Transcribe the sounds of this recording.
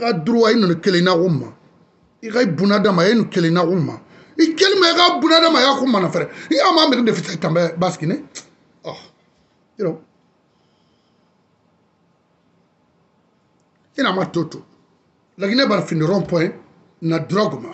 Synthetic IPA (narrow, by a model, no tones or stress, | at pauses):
ikaduɾuwajinũnikelẽnakomũma̰ | ikaibũnadãmajinũkelẽnakomũmã | ikelimaikabũnadãmaikakomãnafɛɾɛiãmãmɛɡidefisaitãmbabasi̥ɡinẽ | ɔ | iɾɔ | inãmatoto | laɡinabanafĩniɾɔ̃pɔ̃ẽ | naduɾaɡoma